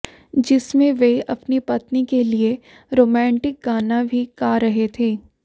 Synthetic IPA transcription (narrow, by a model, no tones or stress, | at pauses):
d͡ʒɪsmẽʋeɐpnipɐt̪nikelie | ɾoːmɛ̃ːɳʈɪk̚ɡaːnabʱikaːɾɐɦet̪ʰeː